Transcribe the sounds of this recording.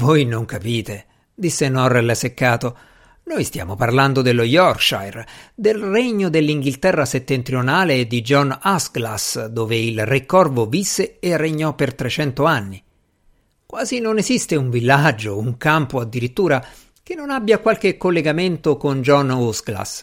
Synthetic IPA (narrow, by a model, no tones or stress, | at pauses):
vojnoŋkapiːt̪e | d̪isːenɔrːelsekːaːt̪o | nojst̪ja̰ːmoparland̪od̪elːojɔrkʃa̰jrd̪elreɲːod̪elːiŋɡilt̪ɛrːaset̪ːent̪ɾijonaːleːd̪id͡ʒɔnasɡlasd̪oːveilrekːɔrvovisːeːreɲːɔpːert̪ɾet͡ʃɛnt̪oanːi | kwaːzinonezist̪euɱvilːad͡ʒːouŋkampoad̪ːiɾit̪ːuːɾa | k̟enːonabːjakwalkekːolːeɡament̪okond͡ʒɔnusɡla̰s